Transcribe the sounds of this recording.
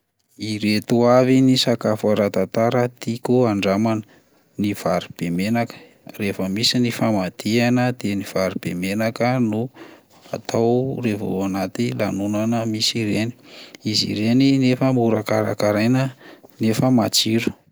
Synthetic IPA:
iɾet̪uavinisakafaɾat̪at̪aɾət̪ikuaɳɖ͡ʐamanə | niv̥aɾib̥emenakə̥ | refəmisinifamad̪̥ianəd̪̥eniv̥aɾib̥emenakənu | a̰t̪ʰawrevo̰anat̪ilanunanəmisiɾeni̥izḭɾeninefəmuɾakaɾa̰kaɾajnənefəmat͡siɾu̥

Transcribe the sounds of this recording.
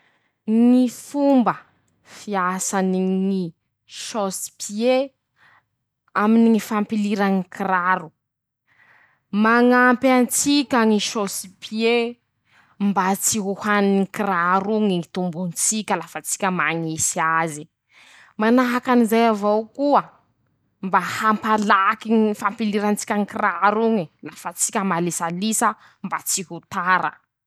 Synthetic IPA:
ŋifumbə | fiasaniŋi | ʃosi̥pʰie | aminiŋifampiliɾaŋikiraɾu | maŋampant͡sikʲaŋiʃosi̥pʰie | mbat͡siɦuhannikiraɾuŋiit̪umbunt͡sikʲəlafat͡si̥kʲəmaŋisiazi | manaɦakanizajavowkuə | mbahampalakiŋfampiliɾant͡si̥kʲaŋikiraɾuŋilafət͡sikʲəmalisalisə | mbat͡siɦut̪aɾə̰

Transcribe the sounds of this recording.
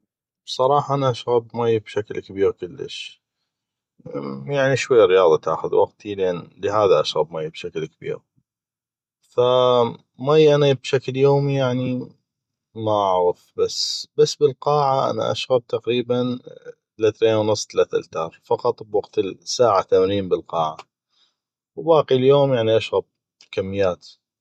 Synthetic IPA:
bsˤɑɾˤɑːħɑʔanaʔaʃɣabmajːbʃaklkabiːɣkʊlːə̰ʃ | jaʕniʃwajːɾɪjɑːðˤɑt̪ʔa̰xʊðwaqt̪ʰilʔanləɦaːðaʔaʃɣa̰bmajːbʃaklkabḭːɾ | fa | majːʔanabʃakljoːmijaʕni | maʔaʕɣəfbasbasːbəlqɑːʕaʔa̰na̰ʔa̰ʃɣab̚t̪aqɾiːbant̪alaθɾeːnwnʊsˤːt̪alaːt̪a̰lt̪ɑːɾˤfɑqɑt̪ˤbwɑɡt̪ɪsaːʕat̪amaniːmbəlqɑːʕa | wbɑːqiljoːmjaʕniʔaʃɣab̚ | kamːɪjːaːt̪

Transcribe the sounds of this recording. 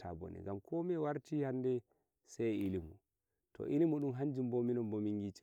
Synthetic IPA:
abɔ̰nɛ̰ɡamkʰɔmɛwaɾtihandɛ | sɛjilimu | tʰɔ̰ʔilimuɗumɦaɲd͡ʒimbominɔmbomiŋɡit͡ʃi̥

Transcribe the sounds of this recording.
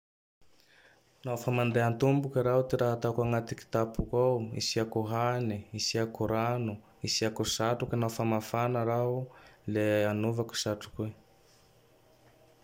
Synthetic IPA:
nafamanɖ͡ʐeant̪umbukiɾawt̪eɾaɦat̪akaŋat̪iki̥t̪apukawḭsiakuɦaniisiakuɾanu | isiakusaʈ͡ʂuknafamafanaɾauleanuvaku̥saʈ͡ʂu̥kwe

